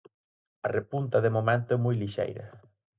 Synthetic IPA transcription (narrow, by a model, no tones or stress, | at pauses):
ɐrepunt̪ɐðɪmomẽnt̪ʊɛmujliʃḛjɾɐ̰